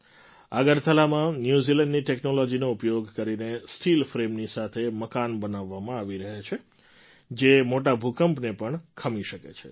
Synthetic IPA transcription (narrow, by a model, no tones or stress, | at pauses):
aɡəɾt̪ʰəlamãnjuzilə̃ɳɖniʈeknolod͡ʒinoʊpjoɡkəɾinesʈilfɾemnisat̪ʰeməkanbənaʋːamãaʋiɾəɦet͡ʃʰe | d͡ʒemoʈabʱukəmpnepəɳkʰəmiʃəkḛt͡ʃʰḛ